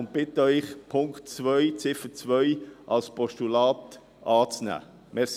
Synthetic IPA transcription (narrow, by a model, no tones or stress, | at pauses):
ʊnt̚b̥ɪtəœʏχpʰʊŋktt͡sʋœʏt͡sɪfət͡sʋœjʔɑlspɔʃtulɑːt | ɑːt͡snæ̰ː | mɛs